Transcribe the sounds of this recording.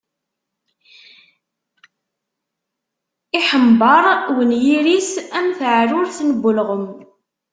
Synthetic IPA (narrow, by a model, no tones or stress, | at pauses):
iħəmbɑɾˤwənjiɾisæmθʕrʊɾθnəbːʊlʁəm